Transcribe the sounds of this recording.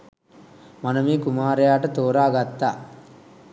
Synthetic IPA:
mɐnɐmiːkumaːɾɐjaːʈɐt̪oːɾaːɡɐt̪ːa

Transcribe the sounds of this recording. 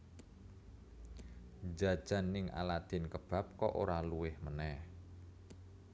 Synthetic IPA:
d͡ʒad̥ʒ̥a̤nːɪŋʔa̰lad̪̥ɪ̤nkəb̥a̤p̚kɔʔo̰ɾaluwɪhmənɛh

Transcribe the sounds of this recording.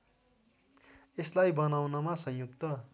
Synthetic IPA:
eslajbʌnawnʌmasʌ̃jukt̪ʌ

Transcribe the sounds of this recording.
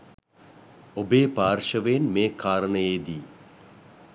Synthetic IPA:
obeːpaːrʃəʋenmeːkʰaːɾəɳəjeːd̪iː

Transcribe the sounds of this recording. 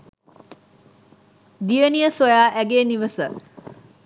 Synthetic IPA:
d̪ijənijəsojaːʔæɡeːniʋəsə

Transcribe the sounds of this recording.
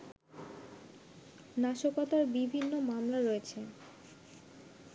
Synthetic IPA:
naʃokɔt̪aɾbibʱinːomamlaɾɔet͡ɕʰe

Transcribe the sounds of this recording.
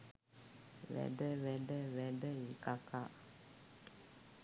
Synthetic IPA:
βɛ̰dɛβɛdɛβɛdɛjikaka

